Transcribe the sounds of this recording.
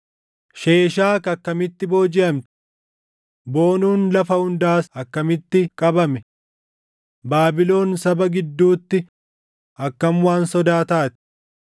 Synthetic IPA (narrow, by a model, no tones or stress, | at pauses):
ʃeːʃ̬aːkɐkːɐmɪt̪ːɪbo̞ːd͡ʒɪɐmt̪ɪ̥ | bo̞ːnuːnlɐfɐhʊnd̪aːsɐkːɐmɪt̪ːɪkʼɐbɐmɛ | baːbɪlo̞ːnsɐbɐɡɪd̪ːuːt̪ːɪ | ɐkːɐmwaːnsɔd̪aːt̪aːt̪ɪ̥